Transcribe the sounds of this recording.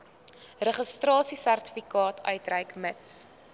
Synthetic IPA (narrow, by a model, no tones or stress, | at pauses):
rəχəstrɑːsisærtə̥fikɑːtʰœɥtrəjkməts